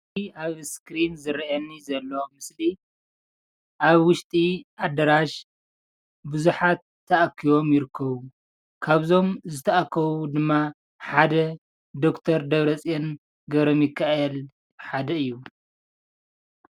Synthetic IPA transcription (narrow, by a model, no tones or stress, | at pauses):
aβskɾinzɨɾiʔɐnːizɐlːomɨsli | ʔaβwʊʃt̪ʼiʔad̪ɐɾaʃ | bɨzuħat̪ʰːɐʔakʰːiβo̞mjɪɾɨkʰːɐβu | kʰaβzo̞mzɨt̪ʰɐʔakʰːɐβud̪ɨmːa | ħad̪ɐ | d̪o̞kt̪ʰɐɾd̪ɐβɾɐt͡sʼien | ɡɐβɾomɪkʰːael | ħad̪ɐɨjːu